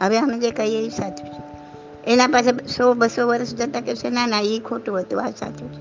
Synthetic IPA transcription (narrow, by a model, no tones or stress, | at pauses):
ɦəʋeɦəmed͡ʒekəieisat̪ʰut͡ʃʰe̥ | enapasesobəsoʋəɾəʃd͡ʒət̪akesenanaikʰoʈũɦət̪ua̰sa̰t̪ʰut͡ʃʰe̥